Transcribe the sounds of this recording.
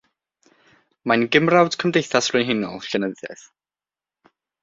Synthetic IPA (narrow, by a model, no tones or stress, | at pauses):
manɡɪmrawd̥kʰəmdejθasrʊjnɦɪnɔ̰lˠɬənəðɛ̰θ